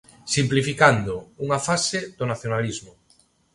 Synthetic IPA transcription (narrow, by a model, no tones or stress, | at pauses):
simplifikand̪ʊuŋafasɪðʊnaθjonalizmʊ